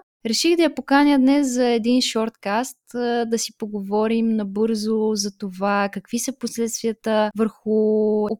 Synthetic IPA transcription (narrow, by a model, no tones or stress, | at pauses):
ɾɛʃiɣd̪ɐjɐpokanʲjəd̪nɛszɐɛd̪inʃɔɾt̪kast̪d̪ɐsipoɡovɔɾimnɐbɤɾzozɐt̪ovakɐkvisəposlɛt̪st̪viət̪əvəɾxʊ